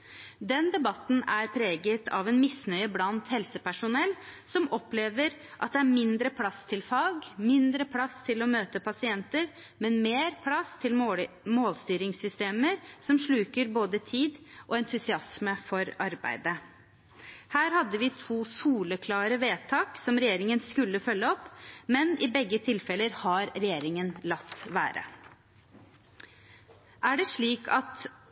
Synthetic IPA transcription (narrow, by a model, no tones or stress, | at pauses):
d̪ɛnd̪ɛbɑt̪n̩æɾpʰɾeːɡət̪ʰɑ̰ʋɛːnmɪsnœʏəblɑnt̪hɛlsəpæʂʊnɛlːsɔmɔpleːʋəɾʔɑt̪̚d̪ɛæɾmɪnd̪ɾəpʰlɑst̪ʰɪlfɑːɡmɪnd̪ɾəpʰlɑst̪ʰɪlɔmøːt̪əpʰɑsɪɛnt̪əɾ | mɛnmeːɾpʰlɑst̪ʰɪl | moːlst̪yːɾɪŋsʏst̪eːməɾsɔmʂɭʉːkəɾboːd̪ət̪ʰiːd̪ʔɔɛnt̪ʰʉsɪɑsməfɔɾɑɾbæ̰ɪd̪ə | hæːɾhɑd̪ːəʋɪt̪ʰuːsuːləkʰlɑːɾəʋeːt̪ʰɑːksɔmɾɛjeːɾɪŋənskʉlːəfœlːəɔpːmɛnɪbɛɡːət̪ʰɪlfɛləɾhɑɾɾɛjeːɾɪŋənlɑt̪ːʋæ̰ːɾə̰ | ʔæɖɛʂɭiːkʰɑt̪